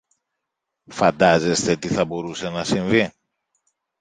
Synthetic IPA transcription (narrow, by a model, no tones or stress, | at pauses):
fɐnd̪ɐze̞st̪e̞t̪iθɐbo̞ɾuse̞nɐsiɱvi